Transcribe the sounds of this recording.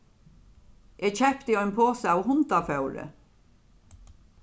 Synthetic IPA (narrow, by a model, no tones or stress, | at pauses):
ʔeːcʰɛpt̪iɔʏnpʰoːsəaːwhʊnt̪afœwɾə̰